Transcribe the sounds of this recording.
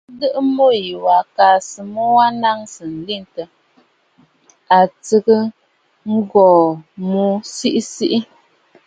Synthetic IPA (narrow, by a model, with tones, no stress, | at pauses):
dɨ˦ʔɨ˦mo˦ji˨wa˨ka˨sɨ˨mo˦wa˦na˦ŋsɨ˨n̩˨li˦˨n˨tə˨ | a˨t͡sɨ˦ɡɨ˦ | ŋ̩˦ɡɔː˨mu˦si˦ʔi˦si˦ʔi˦